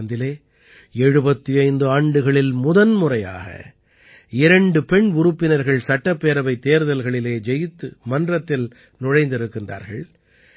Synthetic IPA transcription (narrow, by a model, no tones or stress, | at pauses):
nd̪ɪleː | ɛɻɯbɐt̪ːiɐɪnd̪ɯaːɳɖɯɣɐɭɪlmʊðɐnmʊrɐja̰ːɣɐ̰ | ɪɾɐɳɖɯpɛɳʊɾɯpːɪnɐɾɣɐɭsɐʈːɐpːeːɾɐbɐɪt̪ːeːɾðɐlɣɐɭɪleːd͡ʒɛjɪt̪ːɯmɐndrɐt̪ːɪl | nʊɻɐɪnd̪ɪɾɯkːɪndra̰ːɾɣɐ̰ɭ